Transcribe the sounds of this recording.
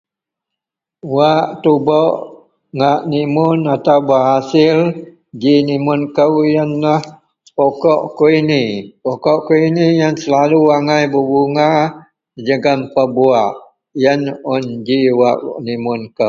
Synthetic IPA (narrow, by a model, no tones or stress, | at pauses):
waʔt̪ubɔʔ | ŋaʔnimʊnat̪awbəaɦasɪl | d͡ʒinimʊnkəwjənːəh | pokɔʔkoinipokɔʔkuinijansəlaluaŋajbəbuŋa | əd͡ʒəɡampəbuaʔ | jənɔnd͡ʒiwaʔnimʊnkə